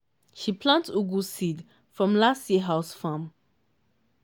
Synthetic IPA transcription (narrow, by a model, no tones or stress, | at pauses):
ʃipʰlãntuɡulsid | fɹɔ̃mlastiɦaʊsfãm